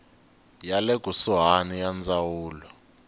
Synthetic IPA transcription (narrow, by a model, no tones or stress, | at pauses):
jalɛɡ̥ʱusuɦanijand͡zawuːlɔ